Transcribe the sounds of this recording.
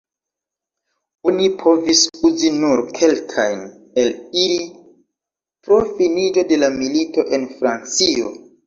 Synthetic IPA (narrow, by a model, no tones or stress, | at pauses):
onipʰo̞visuzinuɾkʰe̞lkʰajn | e̞liɾi | pɾo̞finid͡ʒo̞de̞lamilito̞ʔe̞nfɾant͡sio̞